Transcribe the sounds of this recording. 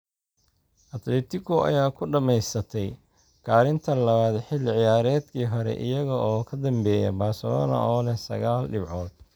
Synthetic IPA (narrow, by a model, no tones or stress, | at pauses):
ʔɐt̪lɛːt̪ʰɪɣʊʔɐ̰jaːkʰʊɖɐmɛjsɐt̪ʰɛj | kʰaːɾɪnt̪ʰɐlɐβaːd̪ħɪlʕɪjaːɾɛːd̪kʰiːɦɔɾɛ̰ʔɪ̰jɐɣɐʔɔːkʰɐd̪ɐmbɛːjɐ̰baːrsɐlɔ̰ːnɐ̰ʔɔːlɛhsɐ̰ɣaːlɖɪbʕɔːd̪̥